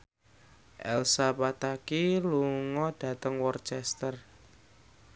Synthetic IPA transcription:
ʔɛ̰lsapat̪akiluŋɔd̥ä̤t̪əŋwɔrt͡ʃɛst̪ər

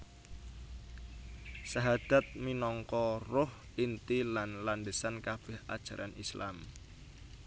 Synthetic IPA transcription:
saɦad̪̥a̤t̪̚minɔŋkɔrʊh | int̪ilanlanɖəsankab̥ɪhʔa̰d̥ʒ̥ä̤ɾʔanisla̰m

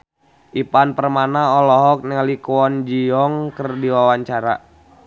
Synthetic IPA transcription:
ʔipanpərmanaɔlɔɦɔk̚nɛalikɔnd͡ʒiɔŋkərdiwawaɲt͡ʃaɾa̰

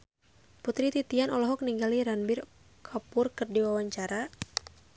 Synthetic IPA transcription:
put̪ɾit̪it̪ianɔlɔɦɔk̚niŋɡaliɾanbɪr | kʰapʊrkɨrdiwawaɲt͡ʃaɾa

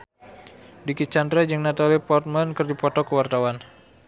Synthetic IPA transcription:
dikit͡ʃant̪ɾɛd͡ʒɨŋnat̪alipɔrt̪̚mankərdipɔt̪ɔkəwart̪awan

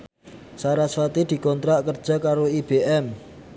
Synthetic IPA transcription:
saɾasfat̪id̪̥i̤kɔnt̪ɾaʔkərd̥d͡ʒʒ̥a̤kaɾoib̥eʔɛm

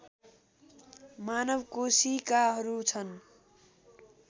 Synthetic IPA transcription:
manʌbkosikaɦʌɾut͡sʰʌn

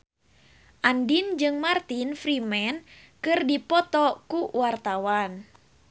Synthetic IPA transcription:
ʔandind͡ʒɨŋmart̪infɾimɛn | kɨrdipɔt̪ɔkuwart̪awan

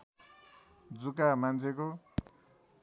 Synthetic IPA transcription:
d͡zukamant͡sʰeko

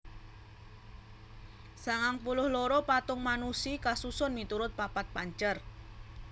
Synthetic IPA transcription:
saŋaŋpulʊhloɾopat̪ʊŋmanusikasusʊnmit̪uɾʊt̪̚papat̪̚paɲt͡ʃər

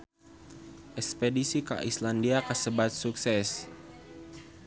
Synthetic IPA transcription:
ʔɛkspedisika̰ʔislandiakəsəbat̪̚suksɛs

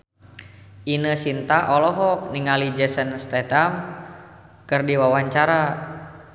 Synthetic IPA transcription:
ʔinəsint̪aʔɔlɔɦɔk̚niŋalid͡ʒɛsənst̪ɛt̪am | kɨrdiwawaɲt͡ʃaɾa

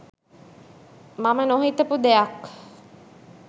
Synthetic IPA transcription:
mamənoɦit̪əpud̪eak

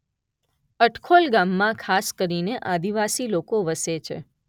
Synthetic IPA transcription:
əʈkʰolɡamːãkʰaskəɾineʔad̪iʋasilokoʋəset͡ʃʰḛ

